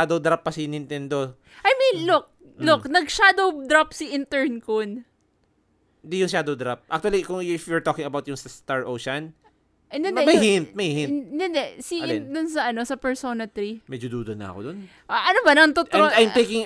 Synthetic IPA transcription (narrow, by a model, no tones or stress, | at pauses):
aːd̪owd̪ɾap̚ːɐsɪnʔɪnt̪ɛnd̪o | ʔɐjminlʊk̚ | lʊknɐɡ̚ʃad̪owd̪ɾapsiʔɪnt̪ɛɹnkon | nd̪ijʊŋʃaːd̪owd̪ɾap̚ʔa̰k̚t̪uɐlikʊŋɪfwɛɹt̪oːkɪŋɐbawt̪̚jʊŋsɐst̪aɹʔowʃɐn | ʔɛnd̪ɛnd̪ɛmɐjhint̪̚mɐjhɪnnd̪ɪnd̪ɛsiɪnd̪ʊnsɐʔɐno̞sɐpɛɹsonɐt̪ɾimɛd͡ʒod̪uːd̪onɐ̰ɐ̰kod̪on | ʔaʔɐnobɐnɐŋt̪ot̪ajmejkɪŋ